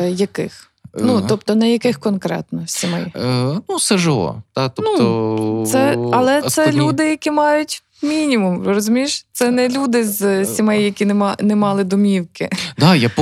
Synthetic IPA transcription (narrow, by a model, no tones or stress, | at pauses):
jɐkɪ̰x | nut̪ɔpt̪ɔnɛjɐkɪxkɔnkɾɛ̰t̪nɔsʲimɛjnusɛʒɪlˠɔ̰t̪ɑt̪ɔnuɔt̪sɛɐlˠɛsɛlʲud̪ɪjɐkʲimɑjʊtʲ | mʲinʲimumɔɾɔzʲʊmʲiʃt̪sɛnɛlʲud̪ɪzʲsʲimɛjjɐkʲinɛmɑnɛmɑlˠɪd̪ɔmʲiwkɪd̪ɑjap